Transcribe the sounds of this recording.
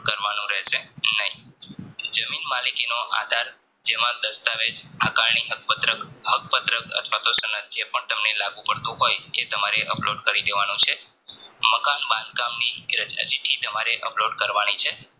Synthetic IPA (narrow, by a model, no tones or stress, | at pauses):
kəɾʋanũɾɛɦʃenəɦĩ | d͡ʒəminmalikinoʔa̰d̪ʱaɾ | d͡ʒemãd̪əst̪aʋed͡ʒakaɾɳiɦək̚pət̪ɾəkɦək̚pət̪ɾəkə̰t̪ʰʋat̪osənət̪̚d͡ʒepəɳt̪əmnelaɡũpəɽt̪ũɦojḛt̪əmaɾeʔəploɖkəɾid̪eʋanũt͡ʃʰe | məkanbãnd̪kamniɾət͡ʃə̰d͡ʒiʈʰit̪əmaɾeʔəploɖkəɾʋanit͡ʃʰe